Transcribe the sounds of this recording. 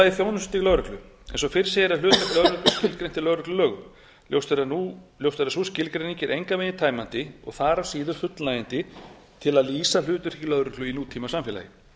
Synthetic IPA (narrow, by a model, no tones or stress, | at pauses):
aiθjownʏsʏt̪ilœðɾʏhklʏ | ɛ̰nsɔfɪɾ̥sejɾalʏːt̪lœðɾʏhklʏ̥scɪlkɾejn̥t̪ɪlœðɾʏklʏlœːɣʏm | ljo̰wst̪ɛɾanuljowst̪ɛɾasuscɪlkɾeniɲcɪɾʔejŋkaveːjnɪt̪ʰaːjmant̪ɪɔ̰ɣθaːɾasiːðʏ̥fʏt̪lajɪnt̪ɪ | t̪ʰɪlaðliːsal̥ʏːt̪ʏɾ̥ilœðɾʏklʏinuːt̪ʰiːmasamfjɛla̰jɪ